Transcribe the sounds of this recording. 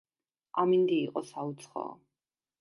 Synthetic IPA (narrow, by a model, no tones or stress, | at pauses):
amind̪iːqʼɔsaut̪sʰχɔ̰ː